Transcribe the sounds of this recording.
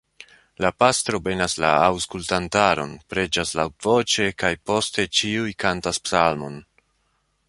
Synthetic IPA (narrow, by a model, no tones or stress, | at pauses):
lapastɾo̞be̞nasla̰awskultantaɾo̞̰npɾe̞d͡ʒaslawtv̥o̞t͡ʃe̞kajpo̞ste̞t͡ʃiujkantaspsalmo̞n